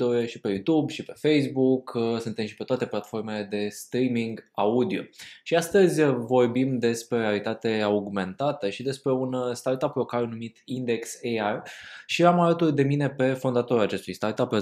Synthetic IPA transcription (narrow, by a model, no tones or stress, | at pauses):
oɾeʃipe̞jut̪ubʃipe̞fejsbuksunt̪e̞mʃi̥pe̞t̪oat̪e̞plat̪fo̞rme̞le̞d̪e̞st̪ɾimiŋɡaud̪io̞̰ʃiast̪əzʲvo̞rbimd̪e̞spɾe̞realit̪at̪e̞auɡme̞nt̪at̪əʃid̪e̞spɾe̞unst̪art̪apɾokaɾunumit̪ind̪e̞ksearʃiamalət̪urd̪e̞mine̞pe̞fond̪at̪o̞ɾat͡ʃe̞st̪ujst̪art̪ape